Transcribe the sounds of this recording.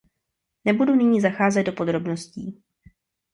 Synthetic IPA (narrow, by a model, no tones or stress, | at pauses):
nɛbudunɪɲiːzaxaːzɛd̪̚do̞po̞d̪ɾo̞bno̞sciː